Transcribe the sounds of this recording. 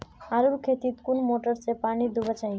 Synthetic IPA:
aɾuɾkʰet̪it̪kunmoʈəɾsepanid̪ubat͡ʃaɦi

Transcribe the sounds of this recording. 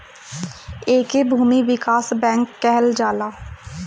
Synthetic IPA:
eːkebʱuːmiʋɪkaːsbɛ̃ːŋkːɛɦəld͡ʒaːlaː

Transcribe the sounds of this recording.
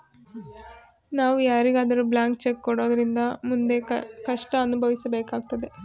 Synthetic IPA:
naːʋaːɾiɡɐɐd̪ɐɾublaːŋkt͡ʃekːoɽo̞ːðɐɾind̪ɐmund̪e̞kɐʂʈɐːnubʱɐʋisɐbe̞ːkaːkt̪ːɐd̪e

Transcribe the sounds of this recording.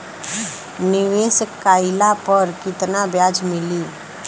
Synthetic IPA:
nɪʋeːskːaːɪlapəɾkɪt̪nabjaːd͡ʒmɪliː

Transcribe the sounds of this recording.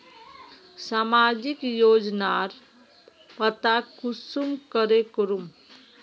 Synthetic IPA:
samad͡ʒikjoːd͡ʒnaɾ | pət̪akusumkəɾekuɾum

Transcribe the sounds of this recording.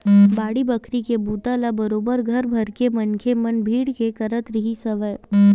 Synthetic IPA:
baːɽibəkʰɾikebuːt̪alabəɾoːbəɾɡʱɐɾbʱəɾkemɐnkʰemənbʱiːɽkekəɾət̪ɾiɦisəʋə

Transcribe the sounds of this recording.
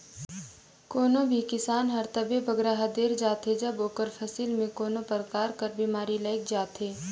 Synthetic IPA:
koːnõbʱikɪsaːnɦɐɾt̪əbebʱɐɡɾaɦad̪eːɾd͡ʒaːt̪ed͡ʒɐboːkəɾpʰɐsiːlmẽkoːnõpɐɾkaːɾkɐɾbiːmaːɾiləːk̚d͡ʒaːt̪ɦeː

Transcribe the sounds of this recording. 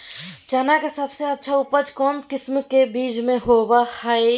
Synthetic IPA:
t͡ʃənakesəbseətːʃʰaʊpət͡ʃkɔːnkɪsmkebiːd͡ʒmẽɦobahəe

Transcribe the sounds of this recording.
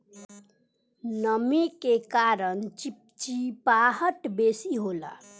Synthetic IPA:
nəmikekaɾənt͡ʃpt͡ʃipaɦəʈbesiɦola̰

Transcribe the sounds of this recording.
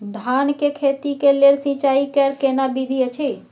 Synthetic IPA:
d̪ʱankekʰet̪ikelelsĩt͡ʃaikɛɾkenabid̪ʱiət͡ʃʰi

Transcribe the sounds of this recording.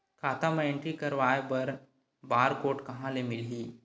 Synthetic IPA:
kʰaːt̪ãmẽẽɳʈɾikɐɾʋaːjebɐɾ | baːɾkoːʈkɐɦãlemɪlɦiː

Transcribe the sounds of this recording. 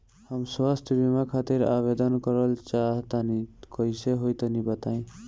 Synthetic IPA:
həmswast̪ʰbimakʰat̪iɾa̰βed̪ənkəɾəlt͡ʃaɦt̪anikʌiseɦojt̪ənibət̪aĩ

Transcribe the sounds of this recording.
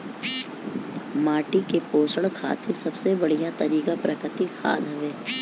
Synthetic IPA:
maːʈikepoːsəɭkʰa̰ːt̪ɪɾsɐbsebɐɽ̤ijat̪ɐɾiːkapɾɐkɪt̪ikʰa̰ːd̪ʱɦɐʋeː

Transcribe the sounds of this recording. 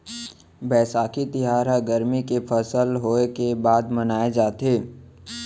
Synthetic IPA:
bɛːsaːkʰit̪ɪɦaːɾɦəɡəɾmikefʰəsəlɦoːekebaːd̪mɐnaːed͡ʒaːt̪eː

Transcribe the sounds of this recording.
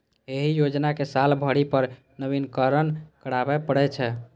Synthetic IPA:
eɦijod͡ʒnakesalbʱəɽipəɾ | nəbinkəɾənkəɽabɛpəɽɛt͡ʃʰɛ

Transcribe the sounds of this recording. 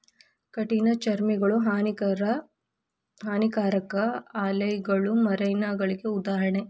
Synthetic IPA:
kɐʈinɐt͡ʃɐɾmiɡɐɭuɦan | ɦaːnikaːɾɐkɐaːlɐjɡɐɭumɐɾɐjnaːɡɐɭiɡe̞ud̪aːɦɐɳe

